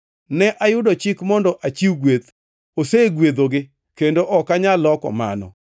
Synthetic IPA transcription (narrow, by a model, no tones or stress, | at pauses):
nɛʔajʊdɔt͡ʃɪkmɔndɔʔat͡ʃiwɡwet̪ | oseɡwed̪oɡɪ | kendoʔɔkaɲalɔkɔ̰ma̰nɔ̰